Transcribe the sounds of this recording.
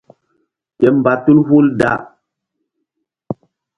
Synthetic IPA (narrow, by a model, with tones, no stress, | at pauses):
ke˨mba˨tu˦lhu˦lda̰˦˨